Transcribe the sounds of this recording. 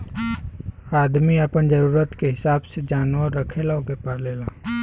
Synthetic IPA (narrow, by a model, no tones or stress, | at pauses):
aːd̪miəpənd͡ʒəɾuːɾət̪keɦɪsaːbsed͡ʒaːnʋəɾːəkʰelaokepaleːlaː